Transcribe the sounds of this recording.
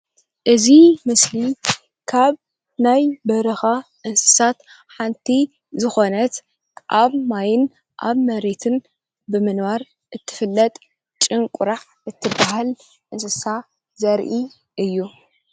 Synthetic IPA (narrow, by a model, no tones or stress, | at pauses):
ʔɨzimɨsli | kʰaβ | najbɐɾɐxaʔɨnsɨ̥sat̪ | ħant̪ʰi | zɨxo̞nɐt̪ | ʔaβmajɪn | ʔa̰βmɐɾe̞t̪ʰɨn | bɨmɨnwaɾ | ʔɨt̪ʰːɨ̥fɨlːɐt̪ʼ | t͡ʃʼɨŋkʼʊɾaʕ | ʔɨt̪ʰːɨbaɦal | ʔɨnsɨsa | zɐɾʔi | ʔɨjːu